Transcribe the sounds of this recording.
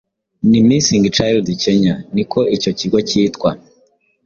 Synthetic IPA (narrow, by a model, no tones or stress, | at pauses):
nimisiŋɡit͡ʃajldiceɲanikʰo̞ʔico̞ciɡo̞ciːtkwa